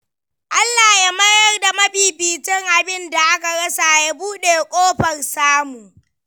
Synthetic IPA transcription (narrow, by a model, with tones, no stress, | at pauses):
ʔa˦lːaː˨ja˦mɐ˦jɐ˦rda˨mɐ˦biː˨biː˨tɪ˦ŋʔa˨bɪ˦nda˨ʔa˦ka˨ɽɐ˦sa˨ja˦buː˦ɗeː˨kʷʼoː˦ɸɐ˨rsaː˦mu˨